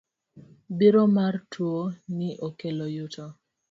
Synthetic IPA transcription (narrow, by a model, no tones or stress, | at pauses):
biɾomartʰwoniʔokelojutʰɔ